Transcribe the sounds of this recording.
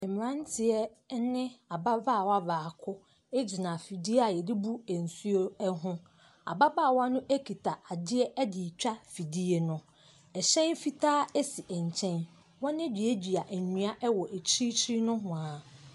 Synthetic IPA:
m˨ɾã˦n˦tʰɪ˨ɛ˦ | nɪ̃˦a˨ba˦vaː˦˨wa˦vaː˨kʰʊ˦ | e˦d͡ʑi˨nã˨fi˨di˦a˨jɛ˨dɪ˦bu˦e˨n̩˨su˦o˦ɛ˦ɦʊ̃˦ | a̰˨ba˦ba˦˨wa˦nʊ̃˦ʔe˦kʰi˨tʰa˨ʔa˨dɪ˦ɛ˦ʔɛ˦di˨t͡ɕᶣa˦fi˨di˦e˨nʊ̃˨˦ | ɛ˨ɕɛ̃˦nfi˦tʰaː˦e˦si˨ʔɛ˨ɲ˨t͡ɕʰɛ̃˦n | wɔ̃˦nɪ̃˦d͡ʑᶣi˨e˦d͡ʑi˨a˨ʔɲũ˨˦a˦ʔɛ˦wɔ˨ʔe˨t͡ɕʰi˦t͡ɕʰi˦i˦nʊ̃˦ɦʊ̃˨a˨

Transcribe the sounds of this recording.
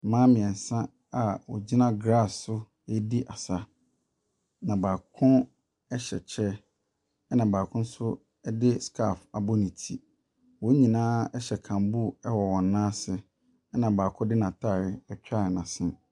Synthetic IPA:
mãː˦mɪ̃˨ɛ̃˨n̩˨sã˦ | a˨wɔ̰˨d͡ʑi˦nã˦ɡɾa˦˨sʊ˦ | e˦di˦ʔa˨sa˨ | nã˨baː˨kʰʊ̃˦ | ɛ˦ɕɛ̰˨t͡ɕʰɛ˦ | ɛ˦nã˨baː˨kʰʊ̃˦n˦sʊ˦ | ɛ˦dɪ˦skʰa˦˨fa˨bɔ˦nĩ˨tʰḭ˨ | wɔ˨˦ɲĩ˨nãː˦ɛ˦ɕɛ˨kʰã˨mbu˦ɛ˦wɔ˨wɔ̃˨nː˦ãː˦sɪ˨˦ | nã˨baː˨kʰʊ̃˦dɪ˦nã˨tʰa˦˨ɾɪ˨ɛ˨t͡ɕᶣa˦˨ɾɪ˨nã˨sɪ̃˦

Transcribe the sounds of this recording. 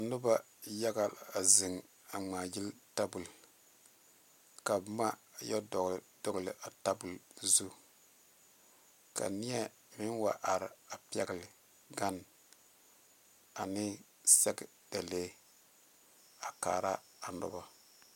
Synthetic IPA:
a˨nʊ˦ba˦ | ja˦ɡa˦la˨zɪ˨ŋ | a˨ŋ͡maː˨ji˦lta˦bu˨l | ka˨bma˦˨jɛ˦dɔ˨ɡd̥ɔ˦ɡlɪ˨ʔa˨ta˦bu˨lzu˦ | ka̰˨nɪ˦ɛ˦ | mɪ˦nwa˨ʔa˨ɾɪ˨a˨pɛ˨ɡɪ˨lɪ˨ | ɡa˦n | a˨nɪ˦ | sɛ˦ɡɪ˨ | d̥a˨leː˦ | a˨ka̰ː˨ɾa˦ | a˨nʊ̰˦ba˦

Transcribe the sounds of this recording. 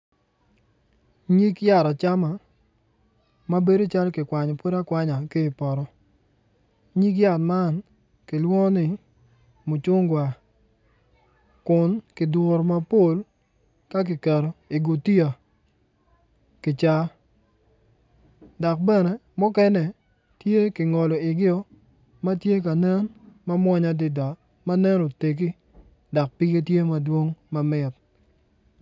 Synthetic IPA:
ɲi˦kja˦˨ɾa˨t͡ʃa˦ma˨ | ma˦be˦do˦t͡ʃa˦lkɪ˨kwa˨ɲɔ˨po˦ɾa˦kwa˦ɲa˨kɪ˦˨pɔ˨ɾɔ˦ | ɲi˦k̬ja˨tma˦n | kɪ˨lwɔ˦nɪ˦˨ | mʊ˨t͡ʃʊ˦ŋɡwa˨ | kʊ˨nkɪ˨dwo˨ɾma˦po˦˨l | ka˦k̬ɪ˨kɛ˨ɾo˨ɪ˨ɡo˨ti˦a˨ | kɪ˨t͡ʃa˦ | da˨k̚bɛ˦nɛ˨mʊ˦kɛ˦nɛ˨ | tje˦kɪ˨ŋɔ˨lɔ˨ɪ˨ɡɪ˦ɔ˦ | ma˦tje˦k̬a˨nɛ˦nma˦mwɔ˦ɲa˦dɪ˦da˨ | ma˦nɛ˦no˨te˨k̬i˦ | da˨k̚pɪ˦ɡe˦tje˦ma˨dwo˦ŋma˨mɪ˦t̚

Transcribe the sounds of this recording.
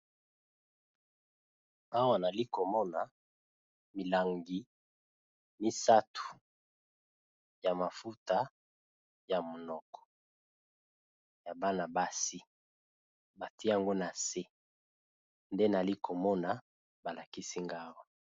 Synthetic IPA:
a˦wa˨na˨li˦ko˨mɔ˦na˨ | mi˨la˨ŋɡi˨ | mi˦sa˦tʰu̥˨ | ja˨ma˨fu˦ta˦ | ja˨mo˨nɔ˨kɔ̥˨ | ja˨ba˦na˨ba˦si˦ | ba˨ti˦a˦˨ŋɡo˦na˨se˦ | nde˦na˨li˦ko˨mɔ˦na˨ | ba˨la˨ki˦si˦ŋɡa˦wa˨

